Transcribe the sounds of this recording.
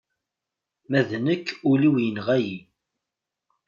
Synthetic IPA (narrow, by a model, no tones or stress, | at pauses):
mæðnəkːʊliwjənʁæji